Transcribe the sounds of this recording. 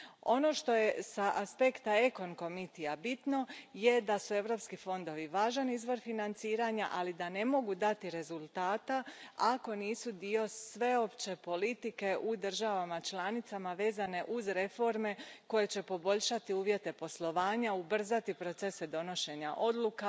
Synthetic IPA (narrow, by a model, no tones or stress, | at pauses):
o̞no̞ːʃt̪o̞je̞saʔaspe̞kt̪ae̞ko̞nko̞mit̪ijabit̪no̞je̞d̪asue̞ʋɾo̞pskifo̞nd̪o̞ʋiʋaːʒanizʋo̞ɾfinant̪siːɾaɲaʔalid̪ane̞mo̞ɡud̪at̪iɾe̞zulˠt̪aːt̪aako̞niːsud̪io̞sʋe̞o̞pt͡ɕe̞po̞lit̪ike̞ʔud̪ər̩ʒaʋamat͡ʃlˠaːnit̪samaʋe̞ːzane̞ʔuzɾe̞fo̞ɾme̞ko̞je̞t͡ɕe̞po̞bo̞ʎʃat̪iuːʋje̞t̪e̞po̞slˠo̞ʋaːɲaubr̩zat̪ipɾo̞t̪se̞sed̪o̞no̞ʃe̞ɲa̰ʔo̞d̪lˠuka